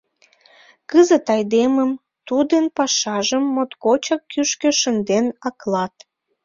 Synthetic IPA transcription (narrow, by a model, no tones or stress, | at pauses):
kəzət̪ɑjd̪eməm | t̪ud̪ənpɑʃɑʒəmːot̪kot͡ɕɑkːyʃkø̆ʃənd̪enɑklɑt̪